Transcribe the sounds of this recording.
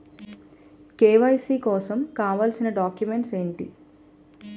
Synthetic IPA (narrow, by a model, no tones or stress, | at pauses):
keːʋɐjsiːkɔːsɐmkaːʋaːlsinɐɖaːkjume̞ɳʈse̞ːɳʈḭ